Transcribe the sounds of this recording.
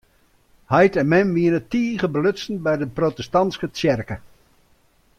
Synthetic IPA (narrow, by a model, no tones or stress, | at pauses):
hajtɛnmɛnʋiənətiːɣəbəløsənbɛjdəprotəstɑnskət͡sjɛrkə